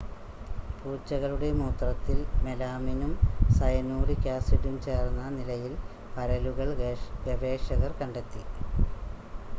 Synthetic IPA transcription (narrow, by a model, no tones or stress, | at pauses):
puːt͡ɕːɐɣɐɭuɽe̞muːt̪rɐt̪ːilme̞laːminumsɐjɐnuːɽikʲaːsiʈumt͡ɕe̞ːrnːɐnilɐjil | pɐɾɐluɣɐɭʋɐʋe̞ːʂɐɣɐrkɐɳɖe̞t̪ːi